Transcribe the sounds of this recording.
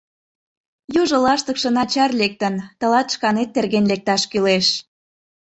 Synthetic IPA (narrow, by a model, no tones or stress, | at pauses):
juʒɤ̆lɑʃt̪ə̆kʃɤ̆nɑt͡ɕɑrlek̚t̪ənt̪ə̆lɑt̪ʃkɑnet̪ːerɣenlek̚t̪ɑʃkyleʃ